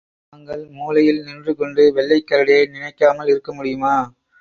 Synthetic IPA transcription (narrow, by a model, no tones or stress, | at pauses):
naːŋɡɐɭmuːlɐjɪlnɪndrɯkɔɳɖɯʋɛɭːɐɪkːɐɾɐɽɪjɐɪnɪnɐɪkːaːmɐlɪɾɯkːɐmʊɽɪjɯmaː